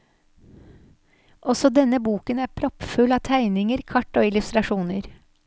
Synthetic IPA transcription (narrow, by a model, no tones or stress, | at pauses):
ʔɔsɔd̪ɛnəbuːkənæːɾpʰɾɔpfʉlɑːt̪ʰæɪnɪŋəɾkʰɑʈːoːɪlʉst̪ɾɑʃuːnəɾ